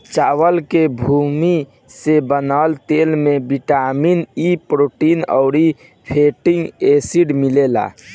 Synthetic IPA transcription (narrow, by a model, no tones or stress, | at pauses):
t͡ʃaːwəlkebʱumi | sebənalt̪elmebiʈaminipɾoʈiːnɔ̰ʊɾi | pʰeʈiŋɡesiɖmilela̰